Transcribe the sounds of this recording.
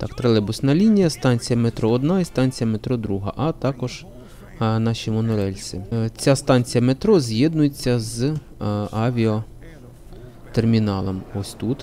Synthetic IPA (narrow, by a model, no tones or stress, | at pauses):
t̪ɑkt̪ɾelˠɛbʊsnɐlʲinʲijɐst̪ɑnʲt͡sʲijɐmet̪ɾɔɔd̪nɑɛst̪ɑnʲt͡sʲijɐmet̪ɾɔd̪ɾuɦɐ̰ʔɐt̪ɑkɔʒ̥ | nɑʃʲimɔnʊɾɛlʲt͡sʲit͡sʲast̪ɑnʲt͡sʲijɐmet̪ɾɔzʲjɛd̪nʊjet͡sʲːɐz | ɑʋʲiɔ | t̪ermʲinɑlˠɔmɔsʲt̪ut̪